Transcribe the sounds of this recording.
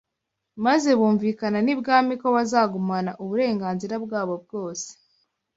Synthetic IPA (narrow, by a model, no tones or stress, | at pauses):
maze̞βuːɱvikananibɡaːmiko̞βazaːɡumanaʔuβuɾe̞ːŋɡaːnziɾabɡaːβo̞b̚ɡo̞ːse̥